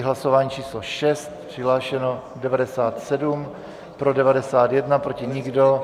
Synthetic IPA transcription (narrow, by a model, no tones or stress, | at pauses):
ɦlasovaːɲit͡ʃiːslo̞ʃɛst̪̚pr̥ɪɦlaːʃɛno̞ | dɛvadɛsaːt̪sɛdum | pɾo̞dɛvadɛsaːt̪jɛdnapɾo̞cɪɲɪɡdo̞